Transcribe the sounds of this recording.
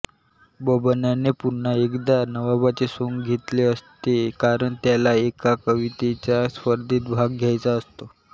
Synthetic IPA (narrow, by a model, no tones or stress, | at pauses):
bəbənjanepunːaekd̪anəʋabat͡sesoŋɡɡʱet̪leəst̪ekaɾəɳt̪jalaekakəʋit̪et͡ɕaspəɾd̪ʱiːt̪̚bʱaɡ̚ɡʱjajt͡saəst̪o